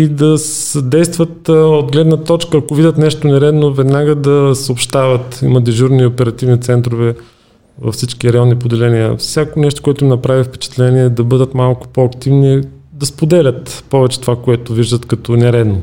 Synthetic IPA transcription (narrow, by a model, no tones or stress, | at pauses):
id̪ɐsəd̪ɛjst̪vət̪od̪ɡlɛd̪nət̪ɔt͡ʃkəːkovid̪ʲət̪nɛʃt̪onɛɾɛd̪novɛd̪naɡəd̪ɐsəopʃt̪avət̪iməd̪ɛʒuɾniopɛɾɐt̪ivnit̪sɛnt̪ɾovɛ | vɐ̰fsit͡ʃkiɾɐjɔnːipod̪ɛlɛniə̰fsʲjakonɛʃt̪o̥koɛt̪ʊminɐpɾavifpɛ̥t͡ʃɛ̥t̪lɛniɛd̪ɐbɤd̪ət̪malˠkʊ̥poɐkt̪ivni | d̪ɐspod̪ɛlʲət̪pɔvɛt͡ʃɛ̥t̪ovakoɛt̪ʊviʒd̪ət̪kɐt̪ɔnɛɾɛd̪no